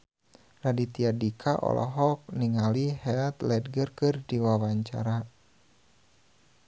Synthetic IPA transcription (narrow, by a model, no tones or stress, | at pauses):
radit̪iadikʰaʔɔ̰lʔɔ̰ɦɔk̚niŋalihɛat̪lɛd̚ɡərkɨrdiwawaɲt͡ʃa̰ɾa